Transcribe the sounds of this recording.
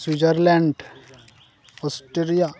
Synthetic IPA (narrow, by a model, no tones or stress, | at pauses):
swid͡ʒəɾlɛ̃ɳɖ | osʈeɾija